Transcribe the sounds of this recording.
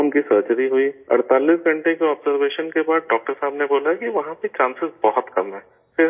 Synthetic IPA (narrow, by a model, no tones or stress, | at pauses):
ɦɐmkisəːɾt͡ʃəɾiɦuiɐ̰ɽt̪aːlisɡʱɐ̃ɳʈekeɔːbzəɾʋeːʃənkebaːd̪̚ɖɔːk̚ʈəɾsaːbneboːlakiʋɐɦãpet͡ʃãːnsɪzbɔɦʊt̪kɐ̰mɦɛ̃ː | fɪɾ